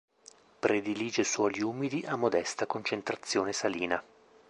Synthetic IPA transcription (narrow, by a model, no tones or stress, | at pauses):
pɾed̪iliːd͡ʒeswɔːliuːmid̪iʔamːod̪ɛst̪akont͡ʃent̪ɾat̪sːjoːnesaliːna